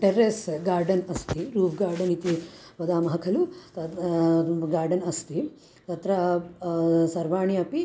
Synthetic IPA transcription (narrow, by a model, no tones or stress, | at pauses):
ʈeɾesɡaːɾɖɐnɐst̪iɾuːfʰɡaːɾɖɐnit̪i | ʋɐd̪aːmɐɦɐkʰɐlut̪ɐ | ɡaːɾɖɐnɐst̪i | t̪ɐt̪ɾɐ | sɐɾʋaːɳiɐpi